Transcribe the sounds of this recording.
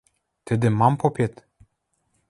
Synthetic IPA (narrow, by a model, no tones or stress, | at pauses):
t̪ɘ̆d̪ĕmɑmpopet̪